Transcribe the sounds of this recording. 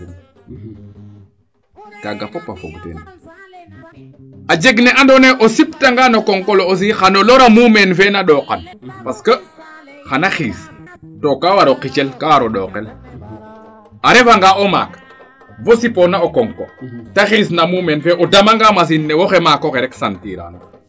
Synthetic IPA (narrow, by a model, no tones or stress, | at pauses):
kaɡapopa̰fo̰ktḛn | ad͡ʒeɡneʔandoneʔosiptaŋɡanokoŋkoloos̬ixanoloɾamumenfenaɗoːqa̰npaskə | xanaxḭːs | tokawaɾoqit͡ʃelkawaɾoɗɔːqel | aɾefaŋɡaoma̰ːk | vosiponaokoŋkotaxis̬namuːmenfɛʔodamaŋɡamas̬inːewoxemakoxeɾɛksantḭːɾa̰